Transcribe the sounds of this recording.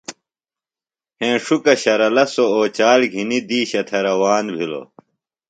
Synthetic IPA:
hẽːʂukɐɕɐɾɐlɐsooːt͡ɕaːlɡʱinid̪iːɕɐt̪ʰɐɾɐwaːnbʱilo̰

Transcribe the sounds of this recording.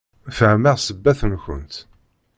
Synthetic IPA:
fəʕməʁsəbːæθənçə̰nt̪

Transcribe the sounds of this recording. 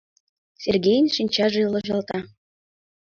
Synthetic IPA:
sʲerɡʲejnʲʃinʲt͡ɕɑʐɤilˠɤ̆ʑɑlˠt̪ɑ

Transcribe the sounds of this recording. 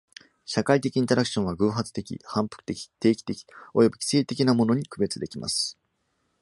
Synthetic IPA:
ɕakait̪e̞kʲĩːɲt̪oɾakɯ̟ɕõ̞ɰ̃βaɡɯ̟ːɦat͡sɨ̥t̪e̞kʲḭhãmpɯ̥kɯ̟̥t̪ekʲi̥t̪e̞ːkʲi̥t̪e̞kʲi̥o̞jo̞bɯ̟kʲi̥se̞ːt̪e̞kʲinamo̞no̞ɲ̟ikɯ̟be̞t͡sɨd̪e̞kʲima̰sɨ̥

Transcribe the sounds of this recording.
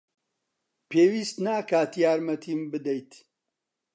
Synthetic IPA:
pʰeːwiːst̪naːkaːt̪jaːɾmɐt̪ʰiːmbɨd̪ejt̪

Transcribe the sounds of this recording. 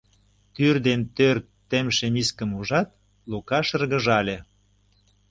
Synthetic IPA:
t̪yrd̪ent̪ørt̪ː | emʃemiskə̆muʒɑt̪̚ | lukɑʃə̆rɣə̆ʒɑlʲĕ

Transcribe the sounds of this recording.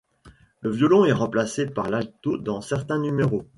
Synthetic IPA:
ləvjɔlɔ̃ɛʁɑ̃plasepaʁlalt̪od̪ɑ̃sɛʁt̪ɛ̃nymeʁo

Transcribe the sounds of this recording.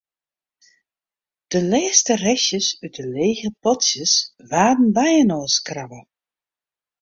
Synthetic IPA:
d̥əlɛːstərɛsjəsyt̚dəleːɣəpɔtsjəsʋaːdn̩bɛjənoːskravə

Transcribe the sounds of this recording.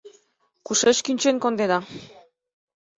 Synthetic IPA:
kuʃeʃkinʲt͡ʃeŋkond̪ed̪a

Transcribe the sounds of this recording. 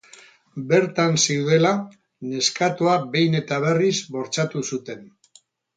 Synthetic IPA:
be̞ɾt̪ansiuðe̞la | ne̞skat̪uabe̞jne̞t̪aβ̞e̞rizβo̞ɾt͡sat̪usut̪e̞n

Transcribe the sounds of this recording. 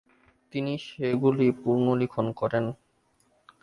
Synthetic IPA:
t̪iniʃeɡulipuɾnolikʰonkɔɾen

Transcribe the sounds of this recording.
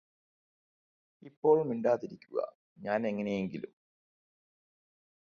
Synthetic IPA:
ipːo̞ːɭmiɳɖaːt̪iɾikʲːuɣɐ̰ | ɲaːne̞ŋːɐne̞je̞ŋɡilum

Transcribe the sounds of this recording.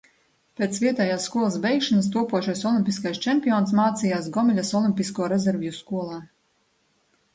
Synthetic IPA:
pʲeːt̪svʲiɛt̪ɛːjaːsːkuɔlˠɐsbʲɛjkʃanast̪uɔpuɔʃajsɔlˠimʲpʲiskajst͡ʃɛmʲpʲijɔːns̬maːt̪sijaːsɡɔmilʲasɔlˠimʲpʲiskuɔɾɛzʲɛɾvʲijuskuɔlˠaː

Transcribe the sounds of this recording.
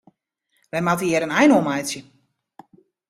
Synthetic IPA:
ʋɛjmatiɪɾənɛjnomajsjə

